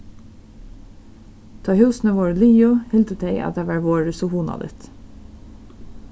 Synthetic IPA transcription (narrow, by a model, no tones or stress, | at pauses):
t̪ʰɑːhʉːsn̩əʋoːɹliːʊhɪlt̪ət̪ʰeɪʔɑ̰t̪̚d̪æːʋɑːɹʋoːɹəsʊhuːnɑ̰d̪ɪ̰t̪